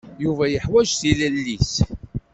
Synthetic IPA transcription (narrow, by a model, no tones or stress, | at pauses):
juvæjəħwæʒθilælːis